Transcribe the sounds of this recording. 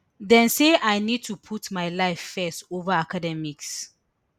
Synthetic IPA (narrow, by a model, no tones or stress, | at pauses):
dɛ̃nseʔajnid̚tʰupʰutmajlaɪfːɛstovəakadɛmiks